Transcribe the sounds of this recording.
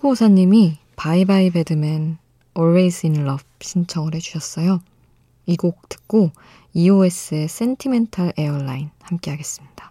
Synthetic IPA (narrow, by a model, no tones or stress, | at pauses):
kʰosʰaɲːimi | paibaibe̞dɯmen | ʌɭwejsʰɯinɭʌb̚ɕʰint͡ɕʰʌŋɯɾɦed͡ʑuɕʰʌs͈ʌjo | iɡok̚tɯ̥k̚k͈o | iue̞s͈ɯes͈e̞ntʰime̞ntʰaɾe̞ʌɭːainhamk͈e̞ɦaɡe̞s͈ɯmɲid̥a